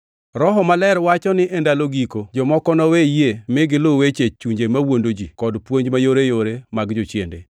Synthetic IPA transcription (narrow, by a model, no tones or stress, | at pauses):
ɾɔɦɔmalɛɾwat͡ʃɔnɪʔendaloɡikod͡ʒɔmɔkɔnɔwejemɪɡɪlowet͡ʃet͡ʃuɲd͡ʒemawondod͡ʒikɔdpwoɲd͡ʒmajoɾejoɾemaɡd͡ʒot͡ʃjḛndḛ